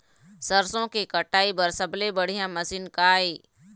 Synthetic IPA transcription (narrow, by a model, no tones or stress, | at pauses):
səɾsõkekəʈaːibəɾsəblebəɽ̤ijãməsinkaːiː